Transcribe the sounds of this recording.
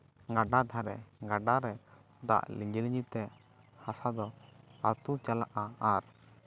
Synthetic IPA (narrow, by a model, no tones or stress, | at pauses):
ŋaɖad̪ʱaɾɛŋɡaɖaɾɛ | d̪a̰ʔliɲd͡ʒiliɲit̪ɛ | hasad̪ɔat̪ut͡ʃalaʔaaɾ